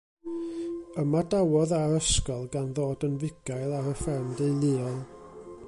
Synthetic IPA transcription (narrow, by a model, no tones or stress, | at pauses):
əmadawɔðaɾəskɔlˠɡanðoːdənvɪɡ̥ajlˠaɾəfɛrmdejlˠiːɔlˠ